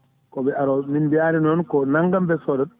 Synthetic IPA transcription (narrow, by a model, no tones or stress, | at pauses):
kɔbɛaɾɔminbiaɾinɔnkɔnaŋɡambɛsɔdɔ